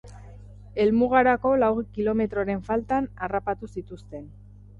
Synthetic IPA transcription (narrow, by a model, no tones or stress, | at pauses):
e̞lmuɣaɾako̞lawɣikilo̞me̞t̪ɾo̞ɾe̞ɱfalt̪anarapat̪usit̪ust̪e̞n